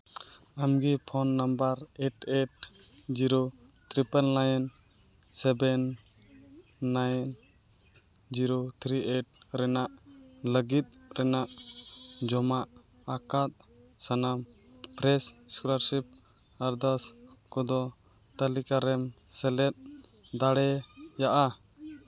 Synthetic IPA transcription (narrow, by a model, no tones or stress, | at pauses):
amɡipʰɔnːambaɾeʈeʈ | d͡ʒiɾo | t̪ɾipəlnajn | sɛbɛn | ajn | d͡ʒiɾot̪ʰɾieʈ̚ | ɾɛnaʔləɡit̪̚ɾɛnaʔ | d͡ʒɔmaʔ | akat̪̚sanam | pɾɛsskuɾaɾsip̚ | aɾd̪askɔd̪ɔ | t̪əlikaɾɛmsɛlɛt̪̚ | d̪aɽɛjaʔa